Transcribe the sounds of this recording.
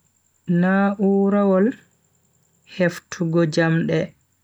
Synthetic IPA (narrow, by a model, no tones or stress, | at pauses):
naːʔuːɾawɔl | heftʰuɡɔd͡ʒamɗɛ